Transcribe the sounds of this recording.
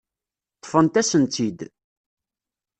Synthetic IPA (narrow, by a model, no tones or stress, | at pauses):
t̪ˤːfənt̪æsənt̪id̪